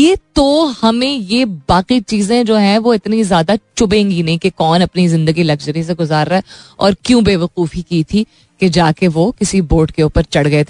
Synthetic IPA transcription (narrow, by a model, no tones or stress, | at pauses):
jeːt̪ohɐmẽjebaːqit͡ʃiːzẽd͡ʒoːɦɛ̃ʋoɪt̪nizjaːd̪at͡ʃʊbẽːŋɡinɐɦĩkekɔːnɐpnizɪ̃nd̪əɡilɐɡd͡ʒəɾis̬eɡʊzaːɾːaɦɛɔ̰ːɾkjũːbeːʋɐquːfikiːt̪ʰi | ked͡ʒaːkeʋokɪsiboːʈkeuːpəɾt͡ʃɐɽɡɐet̪ʰː